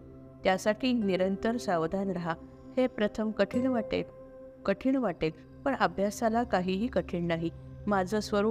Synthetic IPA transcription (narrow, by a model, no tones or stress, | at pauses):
t̪jasaʈʰiːniɾənt̪əɾsaʋd̪ʱanɾaɦa | hepɾət̪ʰəmkəʈʰiɳʋaʈḛl | kəʈʰiːɳʋaʈel | pəɳəbʱjasalakaɦiːɦiːkəʈʰiːɳnaɦimad͡zʱəːsʋəɾ